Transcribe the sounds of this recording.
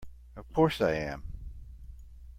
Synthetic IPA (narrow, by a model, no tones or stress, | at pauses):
ʌv̥kʰɔɹsaɪɨ̃m